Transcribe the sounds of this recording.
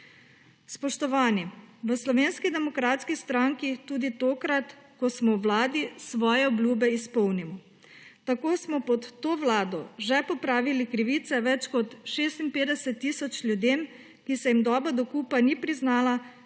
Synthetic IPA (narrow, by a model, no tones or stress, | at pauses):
spɔʃt̪ɔʋaːniʋəslɔʋeːnskid̪ɛmɔkɾaːt̪skist̪ɾaŋkit̪uːd̪it̪oːkɾat̪kɔsmɔwʋlaːd̪isʋɔːjɛɔblʲjuːbɛispɔwnimɔ | t̪akoːsmɔpɔt̪ːoːʋlaːd̪ɔʒɛpɔpɾaːʋilikɾiʋiːt̪sɛʋɛt͡ʃkɔt̪ʃeːst̪inpeːd̪ɛsɛt̪ːiːsɔt͡ʃlʲjud̪eːm | kisɛjimd̪ɔːbɔd̪ɔkuːpanipɾiznaːla